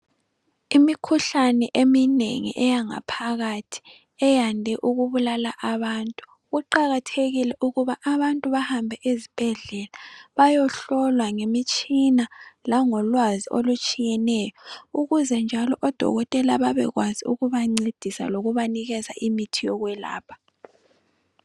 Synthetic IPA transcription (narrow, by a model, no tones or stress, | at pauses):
imikʰuɬanɛʔeminḛŋḭʔɛjaŋa̰pʰaɣatʰi̥ | ɛjandʱɛʔuɣuβulalaʔaβantʼu̥ | ɣuǃaɣatʰeɣilɛʔuɣuβaʔaβantʼuβahambʱɛʔezib̥ʱɛɮɛlaβajɔɬɔlwaŋemit͡ʃʼinalaŋɔlwaziʔolut͡ʃʼijɛnɛːjɔuɣuzɛnd͡ʒʱalɔʔɔd̥ʱɔ̰ɣɔtʼɛlaβaβɛ̰ɣwaziṵɣuβaŋ͡ǀed̥ʱisa̰loɣuβaniɣɛza̰ʔimitʰijɔɣwɛla̰ːpʰḁ